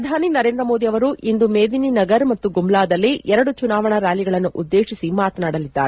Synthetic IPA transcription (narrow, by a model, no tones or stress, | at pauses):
ɐd̪ʱaːninɐɾe̞ːnd̪ɾɐmo̞ːd̪iɐʋɐɾuːʔind̪umeːd̪ininɐɡɐɾmɐt̪ːuɡumlaːd̪ɐlːiʔɛɾɐɽut͡ʃunaːʋɐɳɐɾaːliɡɐɭɐnːuʔud̪ːe̞ːʂisimaːt̪ɐnaːɽɐlid̪ːa̰ːɾe